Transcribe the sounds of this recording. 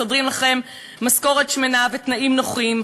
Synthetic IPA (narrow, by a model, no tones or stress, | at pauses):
odʁimlaχe̞mː | asko̞ʁet̪ʃmenavet̪naimnoχiim